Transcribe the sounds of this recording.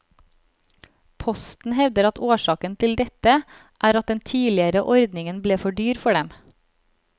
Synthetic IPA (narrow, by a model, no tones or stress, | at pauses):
pʰɔst̪n̩hɛʋd̪əɾɑt̪oːʃɑːkənt̪ʰɪld̪ɛt̪ə | ʔæːɾɑt̪̚d̪ɛnt̪ʰiːlɪəɾəʔɔɾd̪nɪŋənbleːfɔɖyːɾfɔɖɛm